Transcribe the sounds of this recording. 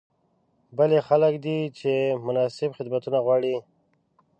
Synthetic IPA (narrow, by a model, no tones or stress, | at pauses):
bəlexaləkd̪it͡ʃemʊnɑsɪbxɪd̪mat̪unaɣwɑɽi